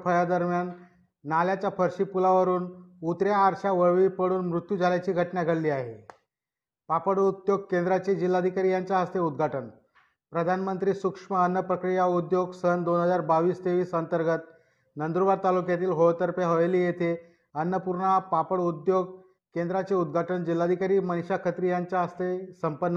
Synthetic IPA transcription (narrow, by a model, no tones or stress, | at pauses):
pʰəjad̪əɾmjanː | aljat͡ɕjapʰəɾɕiːpulaʋəɾuːnut̪ɾjaːɾɕaʋəɭʋiːpəɽuːnmɾut̪jud͡zʱaljat͡ɕiːɡʱəʈɳjaɡʱəɽliːaɦḛ | papəɽud̪joɡ̚kend̪ɾat͡ɕed͡ʑilːad̪ʱikaɾijaɲt͡ɕjaɦəst̪eud̪ɡʱaʈən | pɾəd̪ʱanmənt̪ɾiːsukʂməənːəpɾəkɾijaud̪joɡsənd̪onɦəd͡zaɾbaʋiːst̪eʋiːsənt̪əɾɡət̪ | nənd̪ɾuʋaɾt̪alukjat̪iːlɦot̪əɾpjaɦoʋeliːjet̪ʰe | ənːəpuɾɳapapəɽud̪joɡ̚ | kend̪ɾat͡seud̪̚ɡʱaʈəɳd͡ʑilːad̪ʱikaɾiːmənɕakʰət̪ɾijaɲt͡ɕaɦəst̪esəmpənː